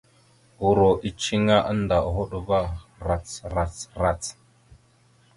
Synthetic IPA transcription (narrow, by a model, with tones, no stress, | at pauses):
u˨ɾo˨ʔi˨t͡ʃi˦ŋa˦ʔə˦n˦da˨ɦo˦ɗva˦ɾa˨t͡sɾa˨t͡sɾa˨t͡s